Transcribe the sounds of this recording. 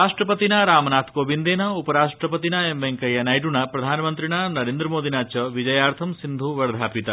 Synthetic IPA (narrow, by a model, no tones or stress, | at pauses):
ɾaːʂʈɾɐpɐt̪inɐɾaːmɐnaːt̪ʰkoːbind̪eːnɐupɐɾaːʂʈɾɐpɐt̪inaemʋeŋkɐjɐnɐjʈuɳɐpɾɐd̪ʱaːnɐmɐnt̪ɾiɳaːnɐɾeːnd̪ɾɐmoːd̪ʱinaːt͡ʃɐʋid͡ʒɐjaːɾt̪ʰɐmsind̪ʱuʋɐɾɐd̪ʱaːpit̪ɐ